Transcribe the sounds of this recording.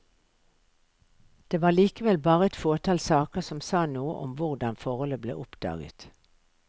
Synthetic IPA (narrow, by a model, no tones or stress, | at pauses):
d̪̥eːʋɑːliːkəʋɛlbɑːʁəɛt̪foːʈ̪ʰɑlsɑːkəsɔmsɑːnuːə̰ʔɔmʋʊʁd̪ɑnfɔʁɔləblḛːʔʊpd̪̥ɑ̰ːɡə̰t̪